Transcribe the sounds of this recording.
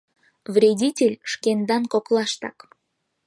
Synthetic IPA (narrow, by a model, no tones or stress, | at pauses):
vrʲedʲitʲelʲʃkend̪ɑnkoklˠɑʃt̪ɑ̰k